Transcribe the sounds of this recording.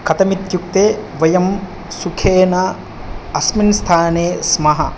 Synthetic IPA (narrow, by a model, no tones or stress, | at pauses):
kɐt̪ɐmit̪juk̚t̪eːʋɐjɐm | sukʰeːnɐ | ɐsminst̪ʰaːneːsmɐɦɐ